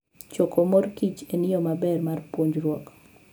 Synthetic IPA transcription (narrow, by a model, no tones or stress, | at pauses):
t͡ʃɔkʰomɔɾkit͡ʃenɪjɔmabɛrmarpwoɲd͡ʒɾwɔk